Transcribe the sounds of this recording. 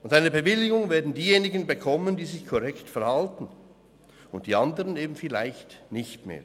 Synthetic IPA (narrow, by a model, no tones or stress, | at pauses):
ʔʊntaɪnəbəvɪlɪɡʊŋveːɐdn̩diːjeːnɪɡənbəkʰɔməndiːzɪçkʰɔʁɛktfɛɐhaltn̩ | ʊnt̚d̥iːandəʁəneːbm̩fɪla̰ɪçtnɪçtmḛːɐ